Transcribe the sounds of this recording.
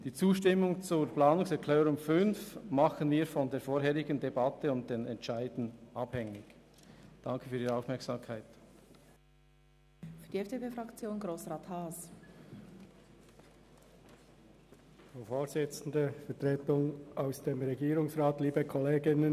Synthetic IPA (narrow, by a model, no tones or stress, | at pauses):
d̥iːt͡suːʃtɪmːʊŋt͡sʊɾplaːnʊŋsɛkʰlɛːɾʊmfʏnfmɑχənviːɐfɔndeːɐfoːɾɦeːʁɪɡən̩debɑtəʊnt̚d̥enɛntʃaɪdn̩ʔɑbhɛŋɪç̥ | d̥ɑŋkʰəfyːʁiːʁɛaʊfmɛɐksaːmkʰaɪt | fyd̥iɛfd̥epeːfʁakt͡sjoːnɡʁoːsʁaːthaːs | fʁofoːzɪt͡sn̩dəfɛtʁeːtʊŋaʊsd̥eːmʁɛɡiːɾʊŋsʁaːtliːbəkʰɔleːɡɪnən